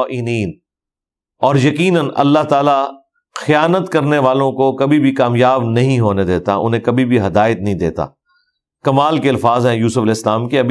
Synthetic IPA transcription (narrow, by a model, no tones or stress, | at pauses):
ʔɪniːn | ɔːɾjɐkiːnənɐ̰lːaɦt̪aːla | xɐjaːnət̪kɐɾneʋaːlõkokɐbʱibʱikaːmjaːbnɐɦĩɦoːned̪eːt̪a̰ʔʊ̰nɦẽkɐbʱibʱiɦɐd̪aːɪt̪̚nɐɦĩd̪ḛːt̪a̰ː | kɐmaːlkeɐlfaːzɦɛ̃juːsʊfɐlɪslaːmkeɐb